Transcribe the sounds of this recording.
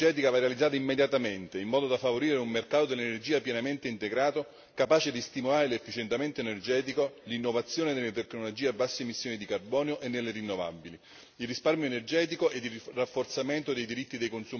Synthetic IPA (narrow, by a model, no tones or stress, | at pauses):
ɛːt̪̬ikavarealid̪zːaːt̪aimːed̪jat̪ament̪eimːɔːd̪od̪afːavoɾiːɾeumːerkaːt̪od̪elːenerd͡ʒiːapjɛnament̪eint̪eɡɾaːt̪o | kapaːt͡ʃed̪ist̪imolaːɾelefːit͡ʃent̪ement̪eːnerd͡ʒɛːt̪̬ikolinːovat̪sːjoːned̪elːet̪ekːnolod͡ʒiːeabːasːemisːjoːnid̪ikarbɔːneoʔenːelːeɾinːova̰bːili | ilrisparmjoenerd͡ʒɛːt̪̬ikoʔed̪ːirafːort̪sament̪od̪ejd̪iɾit̪ːid̪ejkonsu